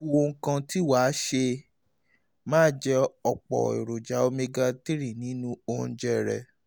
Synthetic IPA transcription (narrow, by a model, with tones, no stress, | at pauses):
o˦wo˧ŋ̩˦kã˧ti˦waː˨˦ʃe˧ | mãː˦d͡ʒɛ˦ɔ˨k͡pɔ̰˨ḛ˨ɾo˨d͡ʒa˨˦o˦me˧ɡa˧ti˦ɾi˦˨nĩ˨˦nũ˦õ˧d͡ʒɛ˦ɾɛ̰˨